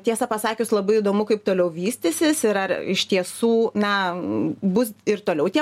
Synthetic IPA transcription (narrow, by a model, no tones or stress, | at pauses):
t̪ʲiɛsɐpɐsɑːkʲʊslˠɐbɐɪiːd̪oːmʊkɐɪp̚t̪oːlʲɛʊʋʲiːsʲt̪ʲɪsʲɪsɪɾɐrɪʃt̪ʲiɛsuːnɐ | bʊsɪrt̪oːlʲɛʊt̪ʲiɛ